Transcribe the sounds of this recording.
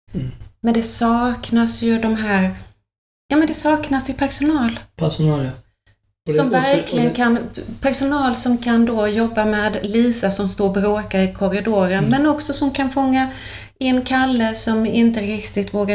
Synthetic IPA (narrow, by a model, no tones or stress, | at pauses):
mɛnd̪ɛsɑːknasjɵd̪ɔmɦæːɾ | jɑːmɛnd̪ɛsɑːknasjɵpʰæɾʂʊnɑːlp̪ʰɑl | sɔmvæɾkʰlɪɡənkʰanpʰæɾʂʊnɑːlsɔmkʰand̪ojɔbːamɛːd̪liːsasɔmst̪oːɾbɾoːkaɾɪkʰɔɾɪd̪oːɾənmɛnɔksɔsɔmkʰanfɔŋːa | ɪnːkʰalːəsɔmɪnt̪əɾɪkt̪ɪɡt̪voːɡa